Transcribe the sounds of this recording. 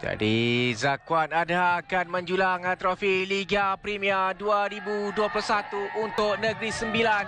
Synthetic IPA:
d͡ʒa̰dizakwanadhakanmə̃ɲd͡ʒulaŋat̪ɾofiliɡapɾimiaduaɾibuduaplusat̪uʔunt̪ʊʔ̚nəɡɾisəmbilan

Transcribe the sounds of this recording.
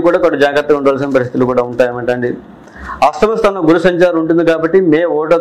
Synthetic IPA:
kuːɽaːkɔʈːɐd͡ʒaːɡɾɐt̪ːɐɡuɳɖɐʋaːls̬inɐpɐɾist̪it̪ulukuːɽaːuɳʈaːjɐmɐɳʈɐɳɖi | ɐst̪ɐmɐst̪ʰɐːnɐɡuɾusɐɲt͡ʃaːɾuɳʈund̪ikaːbɐʈːimeːɔːʈɐ

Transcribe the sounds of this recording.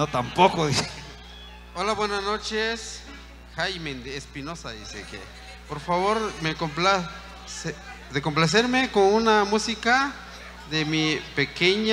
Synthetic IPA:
not̪ampokoðise | olaβwenasnot͡ʃes | xajmend̪eːspinosaðḭsḛkḛ | poɾfaβoɾmekompla | se | ðekomp̬las̬eɾmekonunamusika | ðemipekeɲ

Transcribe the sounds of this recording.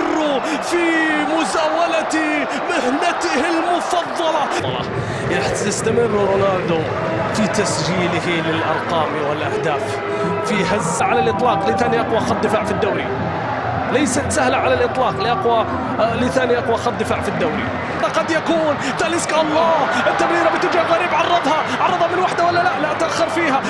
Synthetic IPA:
rːufimʊzaːwalat̪ | mɪhnat̪ɪhɪlmʊfɑðˤːɑlɑ | lɑ̰ | jaħ | ɪst̪amɪrːɾoːnaːnd̪ʊ | fit̪asd͡ʒiːlɪhilɪlʔɑ̰ɾˤqɑːmwɪlʔahd̪aːf | fiɦazːaʕalalʔɨt̪ˤlɑːqlɪθaːniʔɑqwɑxɑˤːɪfaːʕfid̪ːawla | lajsat̪sahlaʕalalʔɨt̪ˤlɑːqlɪʔɑqwa | lɪθaːniʔɑqwɑxɑd̪̚ˤːɪfaːʕfid̪ːawlɪ | aqɑd̪jakuːn | t̪aʔlɪskʔɑlˤːɑːhʔɪt̪ːamɾiːɾabɪt̪ɪd͡ʒjaɣaɾiːbʕɑrˤːɑðˤhɑʕɑrˤːɑðˤhɑmɪnwaħd̪awalːalaʔlaʔt̪ʔaxːɪɾfiːɦa

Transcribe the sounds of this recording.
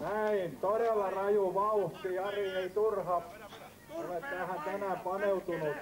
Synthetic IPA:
næint̪oɾelːɑrɑjuʋɑuht̪iɑrieit̪urhɑp | olet̪ːæːhænt̪ænæpɑneut̪unut̪

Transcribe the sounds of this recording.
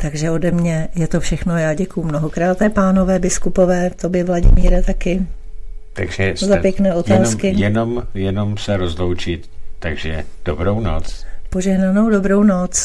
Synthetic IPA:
t̪aɡʒɛo̞dɛmɲɛjɛt̪ofʃɛxno̞jaːɟɛkujumnoɦokɾaːt̪ɛpaːno̞vɛːbɪskupo̞vɛːt̪objɛvlaɟɪ̰miːɾɛt̪akɪ | t̪a̰ɡʒɛszapjɛknɛːʔot̪aːskɪjɛnomjɛnomsɛɾozlowt͡ʃɪt̪ːaɡʒɛd̥obɾowno̰t͡spo̞ʒɛɦnano̞wdo̞bɾownot͡s

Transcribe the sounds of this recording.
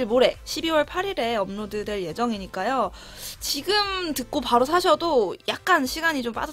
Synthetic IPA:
ɭmoɾe̞ɕʰibiwʌɭpʰaɾiɾe̞ʌmnodɯde̞ɭje̞d͡ʑʌŋiɲik͈ajo | t͡ɕiɡɯmtɯk̚k͈opaɾos̬ʰaɕʰʌdojak̚k͈anɕʰiɡaɲit͡ɕomp͈a̰da

